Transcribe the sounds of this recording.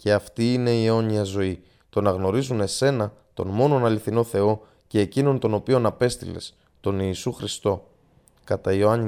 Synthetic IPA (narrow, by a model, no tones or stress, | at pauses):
ce̞ɐft̪iːne̞ieo̞ɲiɐzo̞i | t̪o̞nɐɣno̞ɾizune̞se̞nɐ | t̪o̞̰nmo̞no̞nɐliθino̞θe̞o̞ | ce̞ːcino̞nt̪o̞no̞pio̞nɐpe̞st̪ḭle̞̰s | t̪o̞niːsuxɾist̪o̞ | kɐt̪ɐioɐɲi